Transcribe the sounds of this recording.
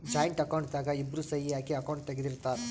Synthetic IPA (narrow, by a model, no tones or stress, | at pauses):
d͡ʒaːjɐɳʈɐkɐwɳʈd̪aːɡɐibːɾusɐjijaːkiɐkɐwɳʈ̚t̪ɐɡid̪iɾt̪ːaːɾ